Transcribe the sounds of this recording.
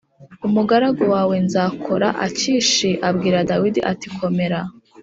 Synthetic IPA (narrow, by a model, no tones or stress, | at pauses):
umuɡaɾaɡowaːwe̞nzaːkʰo̞ɾa̰ʔa̰ciʃiʔabɡiːɾadawidiʔatikʰo̞me̞ɾa